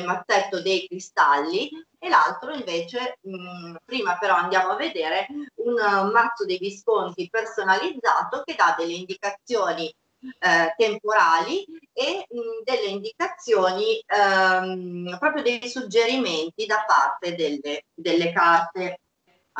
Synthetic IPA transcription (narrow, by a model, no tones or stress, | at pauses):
lmat̪ːɛt̪ːod̪ejkɾist̪alːi | elalt̪ɾoiɱveːt͡ʃe | pɾiːmapeɾɔand̪jaːmoavːed̪eːɾeunmat̪sːod̪ejviskont̪ipersonalid̪zːaːt̪ok̟ed̪ad̪elːeind̪ikat̪sːjoːni | t̪empoɾaːlied̪elːeind̪ikat̪sːjoːni | pɾɔːpɾjod̪ejsud͡ʒːeɾiment̪id̪apːa̰rt̪ed̪elːed̪elːekart̪e